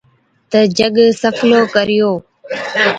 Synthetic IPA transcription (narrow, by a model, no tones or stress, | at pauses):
t̪əd͡ʒəɠsəfʰloːkəɾɪjoː